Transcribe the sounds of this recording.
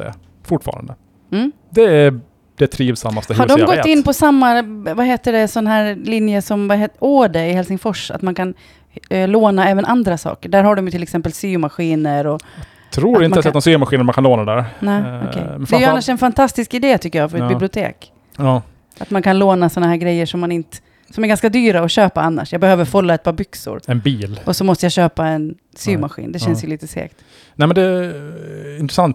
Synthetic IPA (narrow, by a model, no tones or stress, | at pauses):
ɛ̰ | fʊʈfɑ̰ːɾa̰nd̪ə | m̩ː | d̪ɛæ | d̪̥ɛt̪ʰɾiːvsa̰mːast̪əhhaɖɔmɡɔt̪ːɪnːpʰɔsamːavaɦeːt̪əɖɛsɔnːaɦæːɾlɪnjəsɔmvaɦeːoːɖəɪhɛlsɪŋfɔʂa̰t̪mankʰan | loːnaɛːvənʔand̪ɾasɑ̰ːkəɖæːɾhaɖɔmjɵt̪ʰɪlːɛksɛmpəlsyːʊmaɧiːnəɾɔ | t̪ʰɾuːɾɪnəsɛt̪asyːʊmaɧiːnəmankʰanloːnadɛd̪æ̰ːɾnɛːɔ̰kʰɛ̰jmɛd̪ɛɛjɵanːaʂɛnfant̪ʰast̪ɪskɪd̪eːt̪ʰʏkːəjɑːfœɾɛt̪bɪblɪʊt̪ʰḛːkː | a̰t̪mankʰanloːnasɔnːaɦæːɾɡɾɛjːəʂɔmːanɪnt̪ə̥ | sɔmæɾɡanskad̪yːɾaɔɕøːpaanːa̰ʂjɑɡbɛhøːvəɾfɔlːaɛt̪̚pʰɑːbʏksʊ̰ɾɛnbiːlʔɔsɔmɔst̪əjaɕøːpaɛn | syːʊmaɧḭːnd̪ɛɕɛnsjɵliːt̪əsḛːkt̪ | nɛmɛnd̪ɛ | ɪnt̪ɾɛsant̪